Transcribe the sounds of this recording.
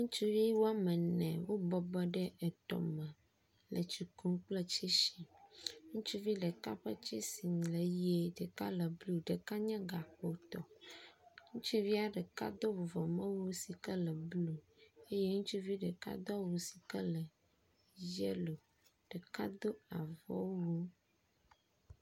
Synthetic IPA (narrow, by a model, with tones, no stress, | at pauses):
ŋũ˦t͡ʃu˦vi˦wo˦a˦mɛ˨nɛ̰̃˨wo˦bɔ˦bɔ˦ɖɛ˦ʔɛ˨t̪ɔ̰˨mɛ̃˨ | lə̰˨t͡ʃu˨ku˦ŋ˦k͡plə˦t͡ʃɛ˦ʃi˨ŋũ˦t͡ʃu˦vi˦ɖə˨ka̰˦ɸə˦t͡ʃɛ˦si˨ŋ˨lə˨je˦ɖɛ˨ka̰˦lə˨blu˦ɖə˨ka˦ɲã˦ɡa˨ɸo˨t̪ɔ̰˨ | ŋũ˦t͡ʃu˦vi˦a˦ɖə˨ka̰˦d̪o˦vo˨vɔ˨mə̃˦wo˦si˨kə˦lə˨blu˦e˦je˦ŋũ˦t͡ʃu˦vi˦ɖə˨ka̰˦d̪ɔ˦wo˨si̥˨kə˦lə˨ | je˦lo˨ | ɖ̥ə˨ka˦d̪o˦a˨vɔ̰˦wwo˦